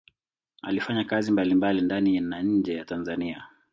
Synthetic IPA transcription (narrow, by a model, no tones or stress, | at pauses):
a̰lifaɲakazimbalimbalindaninaɲ̩d͡ʒɛjatanzania